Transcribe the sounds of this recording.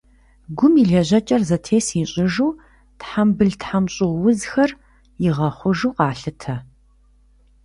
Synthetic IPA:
ɡʷʊmiɮɐʑɐt͡ʃʼɐrzɐtʰeːsiɕʼɪʒuː | tħambɨɮtħamɕʼɪʁwʊzxɐr | jɪʁɐχʷʊʒuːqɑːɬɨtʰɐ

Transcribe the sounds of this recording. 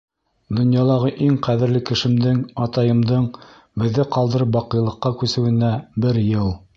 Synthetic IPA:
d̪ŏnjɑlˠɑʁɤʔiŋqæðɘ̆ɾlɘkɘ̆ʃɘ̆md̪ɘŋɑt̪ɑjɤ̆md̪ɤɴ | bɘ̆ðːɘqɑlˠd̪ɤ̆ɾɤp̬wɑqɤ̆jlˠɤ̆qːɑkʉsɘ̆wɘ̆næbɘɾjɤlˠ

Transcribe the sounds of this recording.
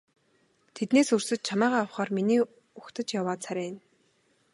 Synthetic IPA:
t̪ʰet̪neːsɵrsɘ̆t͡ɕ̪̚t͡ɕʰamæːʁaːawχaːrminiː | uxt̪ə̆t͡ɕjawaːt̪t͡sʰaɾʲæːn

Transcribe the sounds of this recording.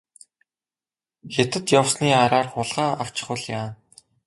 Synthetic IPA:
xet̪ɘ̆t̪jawsniːaɾaːrχʊɮʁaːaw̥t͡ɕɪ̆χʊ̆ɮjaːn

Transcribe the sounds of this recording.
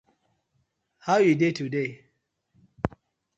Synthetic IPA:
haʊjidetude

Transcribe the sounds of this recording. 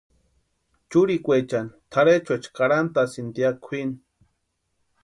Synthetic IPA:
t͡ʃuɾikʷet͡ʃant̪ʰaɾet͡ʃwet͡ʃkaɾant̪asind̪jakʷʰin

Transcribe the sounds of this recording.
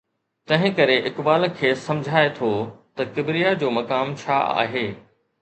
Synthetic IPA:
t̪ɐ̃ɦɪ̃kɐɾeʔɪkbaːlkʰeːsɐ̃md͡ʑʱaːet̪ʰot̪ɐkɪbɾijad͡ʑoːmɐkaːmt͡ɕʰa̰ːa̰ːɦeː

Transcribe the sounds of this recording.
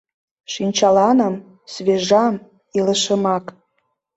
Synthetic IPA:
ʃinʲt͡ɕɑlɑnəm | sveʒɑm | iləʃə̆mɑk

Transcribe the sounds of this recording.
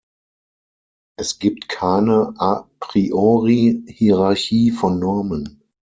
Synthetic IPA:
ʔɛsɡ̥iːp̚tkʰaɪnəʔapʁ̥iʔoʁihiʁaɐçiːfɔnːɔɐmən

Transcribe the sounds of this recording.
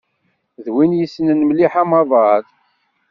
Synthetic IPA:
ðwinjəsːnənmliħamɑðˤɑð

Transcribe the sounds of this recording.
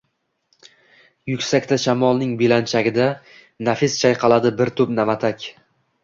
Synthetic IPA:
jʊkʲsakʲt̪ʰaʃamɒlˠnɪŋbɪlant͡ʃʰaɡʲɪd̪a | nafɪst͡ʃʰajqʰɑlˠad̪ɪbɪɾt̪ʰʊpnamat̪ʰakʲ

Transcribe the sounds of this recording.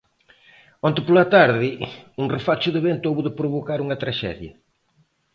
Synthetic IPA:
õnt̪ɪpolɐt̪aɾðɪuŋrefat͡ʃʊðɪβent̪ʊoβuðɪpɾʊβokaɾuŋɐt̪ɾaʃɛ̰ðjɐ

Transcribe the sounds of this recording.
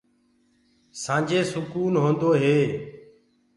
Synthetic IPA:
sãːd͡ʒʱeːsʊkuːnɦõːnd̪oːɦeː

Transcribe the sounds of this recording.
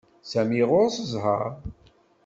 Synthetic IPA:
sæmiʁʊɾsəzˤɦə̰ɾ

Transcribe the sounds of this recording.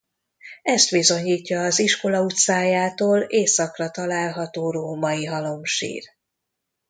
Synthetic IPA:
ɛst̪ʋizo̞ɲiːcːɒːziʃko̞lɒut̪saːjaːt̪oːleːsɒkrɒt̪ɒlaːlɦɒt̪oːɾoːmɒiɦɒlo̞mʃḭːr

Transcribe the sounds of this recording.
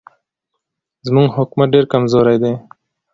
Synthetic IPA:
zmuŋɡɦʊkmɐɖeːɾkɐmzoːɾajd̪eː

